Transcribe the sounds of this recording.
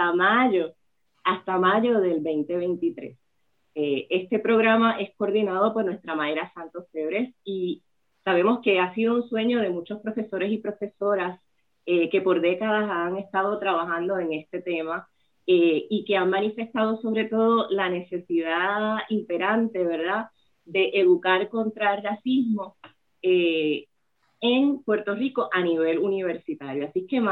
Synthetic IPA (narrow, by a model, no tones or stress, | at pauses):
amaʝo | ast̪amaʝo̞ðe̞lbejnt̪e̞βe̞jnt̪it̪ɾe̞̰s | ee̞st̪e̞pɾo̞ɣɾamaʔe̞skoɾðinað̞o̞poɾnwe̞st̪ɾamaeɾasant̪o̞sfeβɾe̞si | saβ̞e̞mo̞ske̞asiðo̞unswe̞ɲo̞ð̞e̞mut͡ʃo̞spɾo̞fe̞so̞ɾe̞sipɾo̞fe̞so̞ɾas | eke̞po̞ɾðe̞kaðasaŋe̞st̪að̞o̞t̪ɾaβaxãnd̪o̞e̞ŋe̞st̪e̞t̪e̞ma | eike̞aŋmãnife̞st̪aðo̞so̞β̞ɾe̞t̪o̞ðo̞lane̞se̞siðaimpe̞ɾãnt̪e̞βe̞ɾða | d̪e̞ʔeðukaɾko̞nt̪ɾarasizmo̞ | e | eŋpwe̞ɾt̪o̞riko̞ʔaniβ̞e̞luniβ̞e̞ɾsit̪aɾjoasike